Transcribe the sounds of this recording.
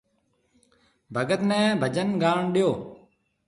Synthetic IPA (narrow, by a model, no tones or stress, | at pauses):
bʱəɡət̪nɛ̃ːbʱəd͡ʒənɡaːɳɗɪjoː